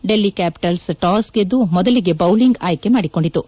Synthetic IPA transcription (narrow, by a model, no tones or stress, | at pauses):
ɖe̞lːikaːpi̥ʈɐlsʈaːsɡed̪ːumɔd̪ɐliɡe̞bɐwliŋɡaːjkemaːɽiko̞ɳɖit̪ːu